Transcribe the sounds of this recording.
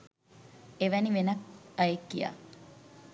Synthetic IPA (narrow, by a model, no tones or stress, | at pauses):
eʋæniʋenɐk̚ɐekːija̰ː